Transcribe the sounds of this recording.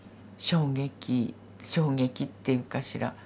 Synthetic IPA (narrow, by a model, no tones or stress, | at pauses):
ɕo̞ːŋe̞kʲi | ɕo̞ːɡe̞kʲit̪ːe̞jɯ̟kaɕiɾa̰